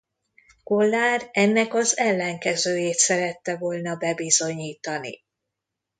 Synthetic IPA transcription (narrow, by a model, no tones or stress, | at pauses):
kolːaːrɛnːɛkɒzɛlːɛŋkɛzøːjeːt̪sɛɾɛt̪ːɛvo̞lnɒbɛbizo̞ɲiːt̪ɒnḭ